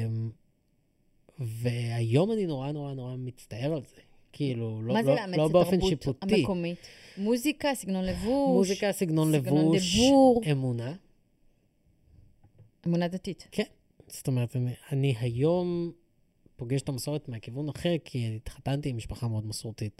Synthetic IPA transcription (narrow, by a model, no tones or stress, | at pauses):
m | ve̞ajo̞manino̞ʁanoʁanoʁamit͡staeʁalze | kʰiilulollobeofenʃiputmikomitmuzikasiɡnonlevumuʃzikasiɡno̞nlevuiʃʁemuna | emunad̪at̪itkʰen | st̪omeʁetanianiɦajo̞m | po̞ɡeʃe̥tamaso̞ʁetmeakivunaχeʁkʰinit̪χatantimiʃpaχameo̞dmasuʁtit